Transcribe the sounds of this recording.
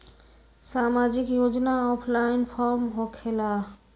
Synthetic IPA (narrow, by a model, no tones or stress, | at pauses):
samad͡ʒikjod͡ʒnaɔpʰlajinpʰɔɾmɦokʰela